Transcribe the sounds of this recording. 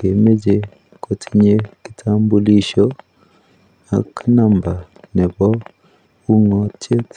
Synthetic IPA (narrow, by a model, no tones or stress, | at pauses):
ɡemeɟe | kʰotʰiɲeki̥tʰaːmbuliʃo | a̰kʰanamba | neβo | uŋotʰe